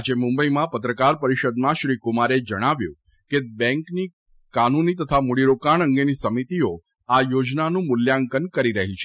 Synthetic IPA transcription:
d͡ʒemʊ̃mbəimãpət̪ɾəkaɾpəɾiʃəd̪mãʃɾikumaɾed͡ʒəɽ̃aʋjṵ̃ | kebɛ̃ŋkni | kanunit̪ət̪ʰamuɽiɾokaɳ̃əŋɡenisəmit̪io | ajod͡ʒnanũmʊljaŋkənkəɾiɾəɦit͡ʃʰe

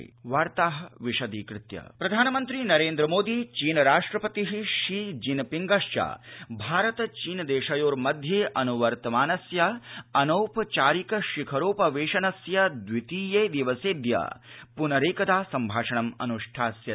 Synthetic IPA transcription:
ʋaːɾt̪aːɦɐ̆ʋiʂɐd̪iːkɾɪt̪jɐ̰pɾɐd̪ʱaːnɐmɐnt̪ɾinɐɾeːnd̪ɾɐmoːd̪iːt͡ʃiːnɐɾaːʂʈɾɐpɐt̪iɦiʃiːd͡ʒinpiŋɡɐʃt͡ʃa̰ːbʱaːɾɐt̪ɐt͡ʃiːnɐd̪eːʃɐjoːɾmɐd̪ʱjeːʔɐnuʋɐɾt̪ɐmaːnɐsjɐɐnɐwpt͡ʃaːɾikɐʃikʰɐɾoːpɐʋeːʃɐnɐsjɐd̪ʋit̪iːjeːd̪iʋɐseːd̪jɐ̰punɐɾeːkɐd̪aːsɐmbʱaːʂɐɳɐmɐ̰nuʂʈʰaːsjɐ

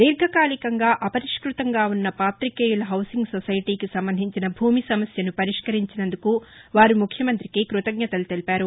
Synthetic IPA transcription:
d̪iːɾɡʱɐkaːlikɐŋɡaːʔɐpɐɾiʂkɾut̪ɐŋɡaːunːɐpaːt̪ɾikeːjulɐɦɐwsiŋɡsɔsɐjiʈiːkisɐmbɐnd̪ʱiɲt͡ʃinɐbʱuːmisɐmɐsjɐnupɐɾiʂkɐɾiɲt͡ʃinɐnd̪ukuʋaːɾumukʰjɐmɐnt̪ɾikikɾut̪ɐɡ̚ɲɐt̪ɐlut̪elipaːɾu

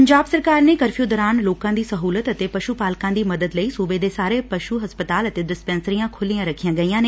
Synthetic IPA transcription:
əɲd͡ʒaːbsəɾkaːɾneːkəɾfʰijoːd̪ɔːɾaːnloːkãːd̪iːsəɦuːlət̪ət̪eːpəʃupaːlkãːd̪iːməd̪əd̪ləiːsuːbeːd̪eːsaːɾeːpəʃuɦəspət̪aːlət̪eːdɪspɛ̃ːnsəɾijãːkʰʊlijãːɾəkʰijãːɡəiːãːneː

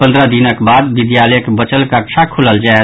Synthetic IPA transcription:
pənd̪ɾəɦd̪inəkbad̪bid̪jalɛkebət͡ʃəlkəkt͡ʃʰakʰuləld͡ʒaɛ

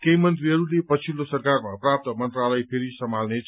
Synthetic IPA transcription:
kejmʌnt̪̬riɦʌɾulepʌt͡sʰilosʌrkarmaprap̚t̪əmʌnt̪ralʌjpʰeɾisʌmʱalnet͡sʰ

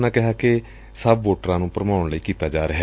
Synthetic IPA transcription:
nãːkɪɦaːke | səbʋoːʈəɾãːnũːpəɾəmaːʊɳləiːkiːt̪aːd͡ʒaːɾəɦɛ

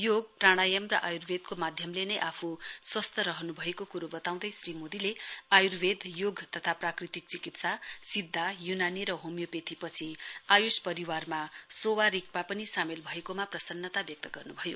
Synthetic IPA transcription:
joɡ̚praɽ̃ajʌmrʌʔajurbed̪komad̪ʱjʌmlenʌjʔapʰuswʌst̪ʰʌɾʌɦʌnubʱʌekokuɾobʌt̪aw̃d̪ʌjsrimod̪ileajurbʱed̪joɡt̪ʌt̪ʰaprakrit̪ik̚t͡sikit̪sasid̪ʱːajunaniɾʌɦomjopet̪ipʌt͡sʰiajuspʌɾiwarmasowaɾik̚papʌnisamelbʱʌekomaprʌsʌnːʌt̪abjʌk̚t̪ʌɡʌrnubʱʌjo

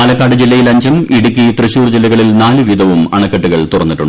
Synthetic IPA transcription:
aːlɐkːaːɽɨd͡ʑilːɐjilɐɲd͡ʑɐmiɽukʲːit̪rɨɕuːrd͡ʑilːɐɣɐɭilnaːlɨʋid̪ʱɐʋumɐ̰ɳɐkːɐʈːuɣɐɭt̪urɐnːiʈːuɳːɖ

